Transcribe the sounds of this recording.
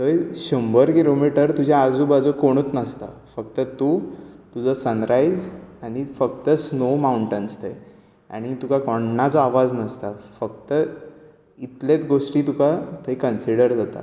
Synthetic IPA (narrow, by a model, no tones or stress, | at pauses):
t̪əjɕəmbəɾkilomiʈəɾt̪ud͡ʑʱaad͡zuːbad͡zukoɽ̃ət̪nəst̪a̰fəkt̪ət̪uːt̪ud͡zəsənɾajd͡zaɽ̃ifəkt̪əsnomauɳʈənst̪ʰəj | a̰ɽ̃it̪ukakɔɳnat͡sɔaʋad͡znəst̪afəkt̪ə | it̪let͡sɡoʂʈiːt̪ukʰat̪ʰəjkənsiɽəɾd͡zʱat̪a̰